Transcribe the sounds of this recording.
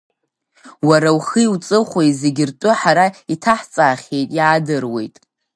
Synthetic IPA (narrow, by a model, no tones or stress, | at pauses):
waɾawχɨiwt͡sʼɨχʷejze̞ɡʲɪrtʷʼʊħaɾaitʰaħt͡sʼaːχʲe̞jtʼjaːdɨrwe̞̰jtʼ